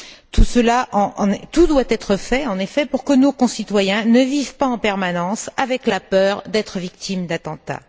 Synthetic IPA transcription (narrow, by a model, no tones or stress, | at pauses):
t̪usəlaʔɑ̃t̪ud̪wat̪ɛt̪χəfɛɑ̃nefɛpuʁkənokɔ̃sit̪wajɛ̃nəvivpaɑ̃pɛʁmanɑ̃savɛklapœːʁd̪ɛt̪χəvik̚t̪ʰimd̪at̪ɑ̃t̪a̰